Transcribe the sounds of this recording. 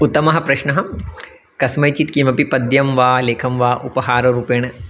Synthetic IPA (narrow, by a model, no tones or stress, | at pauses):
ut̪ːɐmɐɦɐ̆pɾɐʃnɐɦɐ | kɐsmɐjt͡ʃit̪kimɐpipɐd̪jɐmʋaːleːkʰɐmʋaːʔupɐɦaːɾɐɾuːpeːɳ̃ɐ